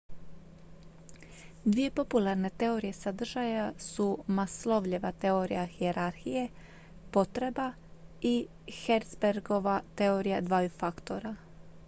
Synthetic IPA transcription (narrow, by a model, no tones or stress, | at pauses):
d̪ʋije̞po̞pulˠaɾne̞t̪e̞o̞ɾije̞sad̪r̩ʒajasumaslˠo̞ʋʎiʋat̪e̞o̞ɾḭjaxieɾaɾxije̞ | po̞t̪ɾe̞ba | i | xeɾt̪sbeɾɡo̞ʋat̪eoɾijad̪ʋaːjufakt̪o̞ɾa